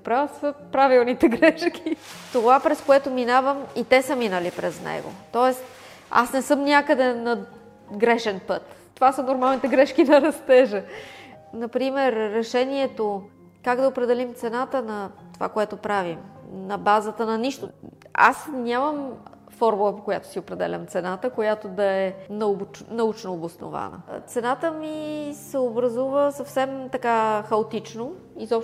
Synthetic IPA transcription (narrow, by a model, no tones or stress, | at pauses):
pɾavəsəpɾavilˠnit̪ɛɡɾɛʃkʰʲit̪ovapɾɛskoɛt̪ominavəmit̪ɛsəminəlipɾɛznɛ̰ɡo̰t̪ɔɛst̪ | a̰snɛsɤmnʲakəd̪ɛnɐ | ɡɾɛʃɛnpɤt̪ | t̪ːovasənoɾmalˠnit̪ɛɡɾɛʃkinɐɾɐst̪ɛʒə | nɐpɾimɛɾːɛʃɛniɛt̪o | kaɡd̪ɐopɾɛd̪ɛlimt̪sɛnat̪ənɐt̪ova̰koɛt̪opɾavimnɐbazət̪ənɐniʃt̪oa̰snʲaməm | fɔɾmulˠəpokojat̪o̥siopɾɛd̪ɛ̰lʲɐ̰mt̪sɛnat̪əkojat̪od̪ɐɛnɐbnɐut͡ʃnoːbʊsno̰va̰nə̰t̪sɛnat̪əmisɛobɾɐzuvəsɐfsɛmt̪ɐkaxɐot̪it͡ʃno | izɔpʃ